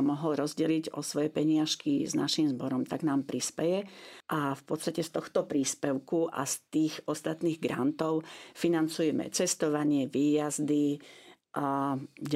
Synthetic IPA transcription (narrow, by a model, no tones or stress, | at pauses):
mɔɦɔlɾɔzɟɛliɟɔ̰sʋɔjɛpɛɲɪaʃkiznaʃimzbɔɾɔmt̪aɡnaːmpɾispɛjɛʔafpɔt̪st̪acɛst̪ɔxt̪ɔpɾiːspɛʊkuʔa̰st̪iːɣɔst̪at̪niːɣɡɾa̰nt̪ɔʊfinant͡sujɛmɛ̰t͡sɛst̪ɔʋaɲɪɛʋiːjazd̪i | ʔa